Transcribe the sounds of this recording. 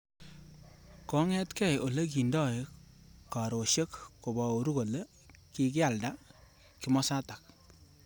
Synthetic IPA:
kɔ˦ŋɛ˦tkɛ˦˨jo˨le˦ki˨ndɔ˦˨ka˨ɾo˨ʃe˦kko˨bɔ˨o˨ɾu˦ko˨le˦ | ki˦k̬ɪ˦a˨lda˦ | kɪ˨mɔ˦sa˦ta˨k̚

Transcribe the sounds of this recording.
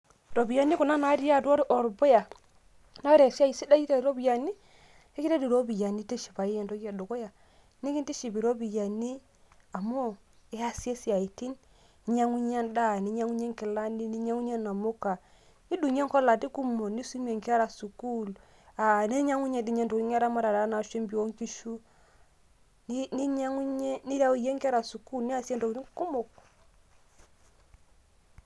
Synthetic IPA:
ɾo˨bi˨ja˦ni˦ku˨na˦na˨˦di˦ja˦˨do˦ɾi˦ʔo˨ɾbo˦ja˨ | na˦ɾe˨si˦a˦˨i˨si˦da˦i˦ta˦i˨ɾo˦bi˨ja˨ni˦ | e˦ki˦a˦di˨ɾo˦bi˨ja˨ni˦ti˦ʃi˨ba˨ji˦je˨nto˦ɡi˦a˨do˨ko˦ja˨ | ni˦ki˦n˦ti˦ʃi˨bi˨ɾo˦bi˨ja˨ni˦ | a˨mo˦ | e˦ja˦si˦e˦si˨a˨ji˨ti˦n˨ | ɲa˦ŋu˦ɲe˦nda˦ni˨˦ɲa˦ŋu˦ɲe˦ŋki˨la˦ni˦ni˦ɲa˦ŋu˦ɲe˦na˨mu˦ka˨ | ni˦du˨ɲ˦ɛ˦ŋ˦kɔ˦la˨ti˦ku˦mɔ˨ni˦su˦m˦ɛ˨ŋka˦ɾa˨su˨ku˦l | a˨nɛ˦ɲa˦ŋu˦ɲɛ˨di˨ɲɛ˦ndɔ˨˦ɲ˦a˦ɾa˦ma˦ɾa˨da˦na˨ʃɛ˦mbi˨ɔ˦ŋ˦ki˦ʃu˦ | n˦ni˦ɲa˦ŋu˦ɲɛ˦ni˦ɾa˦u˨jɛ˦ŋka˦ɾa˨su˨ku˦lni˦a˨sjɛ˦ndɔ˨i˦ku˦mo˨k

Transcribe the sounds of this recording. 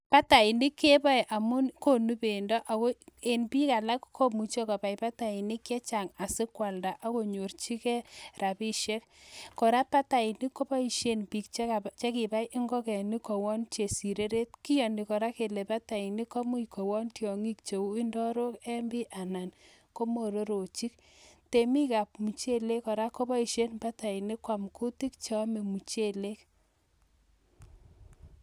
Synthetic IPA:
pa˦ta˨i˨ni˦kːe˦pa˦jʔa˨mʊ˦nko˦nu˦pe˨ndɔ˦ʔa˨ko˦e˨npi˦ka˨la˦kkʰo˦mu˨t͡ʃo˦ka˨pa˨jpa˦ta˨i˨ni˦kːɛ˦t͡ʃa˨ŋa˨sɪ˦kwa˨lda˨ʔa˦ko˨ɲo˨rt͡ʃi˦kɛ˦ra˨pi˦ʃe˦kkɔ˨ɾa˦pːa˦ta˨i˨ni˦kːɔ˦pa˦i˨ʃe˦npi˨k̚t͡ʃe˦kat͡ʃe˦ki˨pa˦jʔi˦ŋɡɔ˦kɛ˨ni˦kɔ˨wɔ˦nt͡ʃe˨si˨ɾe˦ɾe˦t̚kɪ˦jɔ˨ni˨kɔ˨ɾa˦ke˨le˨pa˦ta˨ɪ˨nɪ˦kɔ˦mu˦i˨ko˨wɔ˦ntjɔ˨ŋi˦kt͡ʃo˨u˦ɪ˦ndɔ˦ɾo˦kɛ˦mbɪ˦ʔa˨na˨n | ko˦mo˨ɾo˦ɾo˨t͡ʃi˦k̚ | te˨mi˦ka˨p̚mu˨t͡ʃe˦le˦kɔ˨ɾa˦ko˦bɔ˦i˨ʃe˦npa˦ta˨ɪ˨nɪ˦kwa˨mku˦ti˦k̚t͡ʃɔ˦me˨mu˨t͡ʃe˦le˦k

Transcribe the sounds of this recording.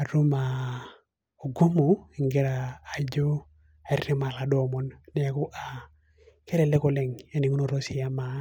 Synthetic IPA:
a˨ɾu˦ma˨ | o˨ɡo˦mu˨i˨ŋɡe˦ɾaː˨d͡ʒo˦ | a˨rɾi˦ma˨la˨dɔ˦˨mɔ˨nnɛ˦a˨ku˦ʔa˨ | ke˦ɾe˨le˦kɔ˨le˨ŋe˦ni˨ŋu˦no˨ɾo˦si˨ja˦ma˨˦

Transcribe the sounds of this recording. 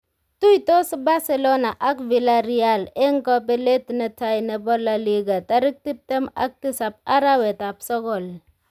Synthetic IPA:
tu˦ito˦sba˦se˨lo˦na˨ʔa˦kvi˨la˦ɾi˦a˦˨le˦ŋkɔ˦p̬e˦le˦tne˨ta˦jne˨bɔ˦la˨li˦ɡa˨ta˦ɾɪ˦k̚ti˦p̚te˦ma̰˦k̚ti˦sa˨p̚a˦ɾa˦we˨ta˨psɔ˦kɔ˨l

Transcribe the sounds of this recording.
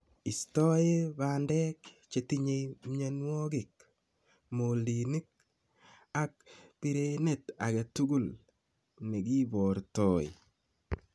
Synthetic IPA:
i˨stɔ˦ɪ˦ba˨ndɛ˦k | t͡ʃe˨ti˦ɲe˨jmɲa˨nwɔ˦ɡɪ˨k̚ | mo˨li˨ni˦k̚ | ak̚pi˨ɾe˨ne˨ta̰˨ɡɛ˨tu˦ɡu˦l | ne˨ɡi˦bɔ˨ɾtɔ˨ɪ̰

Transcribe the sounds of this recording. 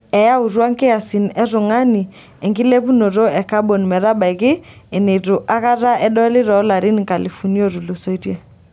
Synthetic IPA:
ɛ˨ja˦u˨ɾwa˦ŋkɛ˦a˨si˨nɛ˦ɾʊ˨ŋa˦ni˨ | ɛ˨ŋɡɪ˦le˦pu˦no˨ɾo˦ɛ˨ka˦bo˨nmɛ˨ɾa˦ba˨jkɪ˦ɛ˨ne˨ɾʊ˨ʔa˦ka˦ɾa˦ʔɛ˦ɗɔ˦lɪ˦ɾɔ˨˦la˨ɾɪ˦n˨ka˨li˨fu˨ni˦o˦˨ɾu˨lu˨so˦i˦tje˦

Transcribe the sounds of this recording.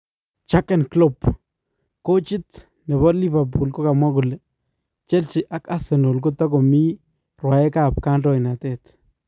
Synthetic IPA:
t͡ʃa˦ke˦nklo˦p | ko˦t͡ʃi˦t̪ | ne˨βɔ˦li˦va˨pu˨lko˦ka˨mwa˦ɡu˨le˨ | t͡ʃe˦lt͡ʃi˨ʔa˦ka˦se˨no˨lko˦t̪a˦ɡo˨mi˦ | ɾwa˨e˦ka˦˨p̚ka˦nɾo˦jna˨t̪e˦˨t̪

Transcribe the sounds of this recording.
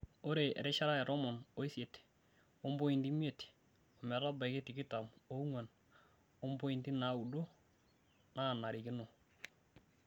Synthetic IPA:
o˦ɾe˨ɛ̰˨ɾe˦ʃa˦ɾa˦ɛ˨ɾɔ˦mɔ˨no˦i˦sje˨t | o˦mbo˦i˨ndi˦mje˨t | o˨mɛ˨ɾa˦ba˨ke˦ti˨kɪ˦ta˨mo˦u˦ŋwa˨n | o˦mbo˦i˨ndi˦na˨˦u˨do˦ | na˦˨na˨ɾɪ˨kɪ˦no˨

